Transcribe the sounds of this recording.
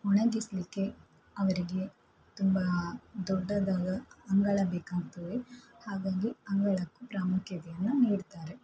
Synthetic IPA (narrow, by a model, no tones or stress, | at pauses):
uɳɐɡisɐlikːe̞ | ɐʋɐɾiɡe̞ | t̪umbɐd̪ɔɖːɐd̪aːɡɐːŋɡɐɭɐbeːkaːɡt̪ɐʋehaːɡaːɡiɐŋɡɐɭɐkːupɾaːmukjɐt̪ɛjɐnːuniːɽt̪aːɾe